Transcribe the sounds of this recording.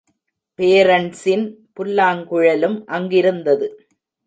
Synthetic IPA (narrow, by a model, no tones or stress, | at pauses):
peːɾɐɳsɪnpʊlːaːŋkʊɻɐlɯmʔɐŋɡɪɾɯnd̪ɐðɯ